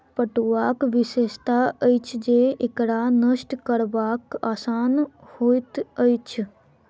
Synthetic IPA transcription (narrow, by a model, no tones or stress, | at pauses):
pəʈuʋaːkʋɪʃeːʃt̪aəjt͡ʃʰd͡ʒeɪkɽanəʃʈkəɾbaːkaːsaːnhoːjt̪ət͡ʃʰ